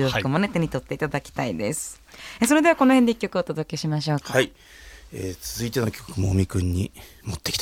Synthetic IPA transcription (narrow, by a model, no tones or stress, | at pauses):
oːkɯmane̞t̪eɲ̟it̪o̞t̪ːe̞it̪ad̪akʲi̥t̪aid̪e̞sɨ̥ | eso̞ɾe̞d̪e̞βako̞nohend̪eikʲːokɯ̟ot̪o̞d̪o̞ke̞ɕimaɕ̬o̞ːkaai | et͡sɨzɨit̪enokʲʰo̥ko̥kɯmoːmʲikɯ̟̃ɲ̟ːi | mot̪ːe̞kʲi̥t̪a